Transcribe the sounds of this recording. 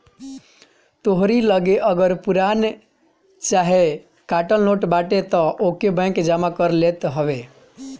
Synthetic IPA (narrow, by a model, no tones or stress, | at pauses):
t̪oɦɾiləɡeʔəɡəɾpuɾan | t͡ʃaɦe | kaʈəlnoʈbaʈet̪ɔʔokebə̃ŋkd͡ʒamakəɾlet̪ɦəʋe